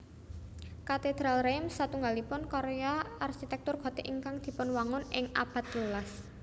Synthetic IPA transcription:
kat̪ed̪̥ɾalremsːat̪uŋɡalipʊnkɔɾeaarʃit̪ɛk̚t̪ʊrɡ̥ɔ̤t̪eʔiŋkaŋd̪̥i̤pʊnwaŋʊnɪŋa̰b̥ä̤t̪̚lulas

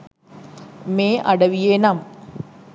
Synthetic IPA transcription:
meːʔɐɽɐʋijeːnam

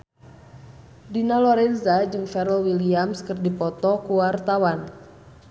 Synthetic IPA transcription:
dinalɔɾɛnzad͡ʒɨŋfɛɾlwiliamskɨrdipɔt̪ɔkuwart̪awan

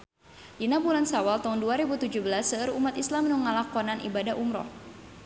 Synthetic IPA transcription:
dinapulansawalt̪aɦunduaɾebut̪ud͡ʒuhbəlasəəɾumat̪islamːənuŋalakɔnanʔḭbadaɦʔumɾɔ̰h

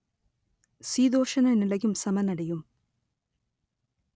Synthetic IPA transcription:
siːd̪oːʂɐnɐnilɐɣumsɐmɐnɐɽɐjum

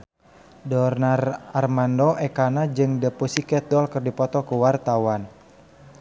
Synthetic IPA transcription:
dɔrnararmandɔʔɛkanad͡ʒɨŋdəpusikɛt̪̚dɔlkɨrdipɔt̪ɔkuwart̪awan

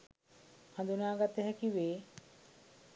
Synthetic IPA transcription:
hãnd̪unaːɡat̪ːeɦɛkiʋeː

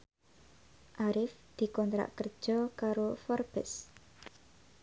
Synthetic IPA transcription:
ʔaɾɪfd̪̥i̤kɔnt̪ɾa̰ʔkər̥ʒ̥ɔkaɾofɔrb̥ɪs

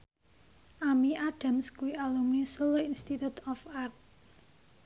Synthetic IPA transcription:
ʔamiʔaɖ̥a̤mskuiʔalumisuloinst̪it̪ut̪ɔfart̪̚

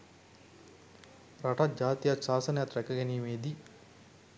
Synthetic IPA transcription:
ɾɐʈad͡ʒaːt̪ijaʃaːsɐnjat̪ɾɛkɐɡɛniːmeːd̪i

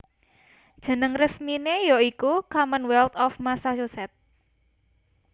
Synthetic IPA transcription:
d̥ʒ̥ə̤nəŋrəsminejoikukamənwɛlt̪ɔfmasaʃusɛt̪̚

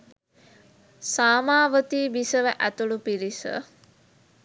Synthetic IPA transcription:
saːmaːʋət̪iːbisəʋəʔæt̪uɭupiɾisə̰

